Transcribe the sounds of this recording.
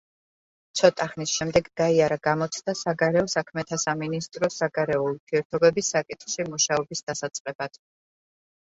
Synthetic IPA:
t̪t͡ʃ̪ʰɔt̪ʼaχnisʃɛmd̪ɛɡɡaiaɾaɡamɔt̪sʰd̪̥asaɡaɾɛɔsakʰmɛt̪ʰasaminist̪ʼɾɔsaɡaɾɛɔuɾt̪ʰiɛɾt̪ʰɔbɛbisːakʼit̪ʰʼχʃimuʃaɔbisd̪̥asat̪sʼqʼɛbad̪̥

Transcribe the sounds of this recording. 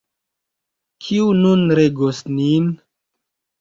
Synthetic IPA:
kʰiununɾeɡosnin

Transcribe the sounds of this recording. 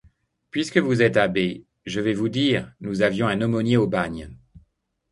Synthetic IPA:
pɥiskəvuzɛt̪abe | ʒəvɛvud̪iʁnuzavjɔ̃ɛ̃nɔmɔnjeobaɲ

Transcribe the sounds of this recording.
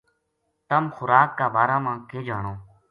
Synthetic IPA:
t̪əmxʊɾaːkːaːbaːɾaːmãːkeːd͡ʒaːɳõː

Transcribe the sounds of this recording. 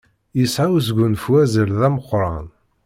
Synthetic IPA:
jisʕaws̬ɡʊnfwæzəlðæməqːɾˤɑ̰n

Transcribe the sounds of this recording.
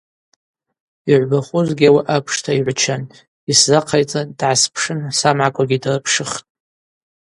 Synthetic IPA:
iʕʷbaχʷʊzɡʲawaʔapʰʂtʰaiʕʷt͡ʃʰan | iszaqʰajt͡sʼadʕaspʰʂɨnsamʕakʷʰʼaɡʲidrɨpʰʂɨχtʼ

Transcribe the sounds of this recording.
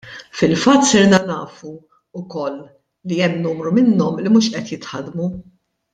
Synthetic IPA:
fɪlfɐt̪ːsɪɾnɐnɐːfu | ʊkɔlː | iɛmːnuːmɾumɪnːɔmlimuːʃʔɛt̪jɪt̪ħɐd̪mu

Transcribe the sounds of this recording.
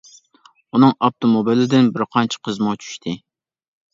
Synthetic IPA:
unɨŋɑpt̪ʰomobilɪd̪ɪnbɪɾqʰɑnt͡ʃʰɪ̥qʰəzmʊt͡ʃʰy̥ʃt̪ʰɪ

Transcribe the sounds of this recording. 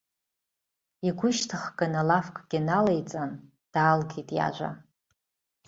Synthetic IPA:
iɡʷʊʃtʰɨχɡʼanalafkʼɡ̥ʲɪnalejt͡sʼan | d̥aːlɡejtʼja̰ʒʷa̰

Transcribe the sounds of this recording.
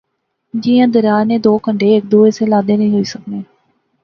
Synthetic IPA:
d͡ʒɪjãːd̪əɾaːneːd̪oːkəɳɖeːɪk̚d̪oːeːseːlaːd̪eːnəɦĩːɦoːiːsəkneː

